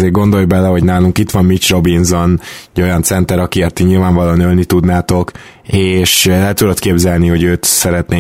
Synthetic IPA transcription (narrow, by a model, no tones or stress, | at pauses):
eːrɡo̞nd̪o̞jbɛlɛɦo̞ɟnaːluŋkit̪ʋɒmmit͡ʃro̞binzonɟo̞jɒnt̪sɛnt̪ɛɾɒkiɛt̪ːiɲilvaːɱvɒloːnølnit̪ud̪naːt̪o̞k | eːʃlɛt̪ud̪ot̪keːbzɛlniho̞ɟøːt̪sɛɾɛt̪neː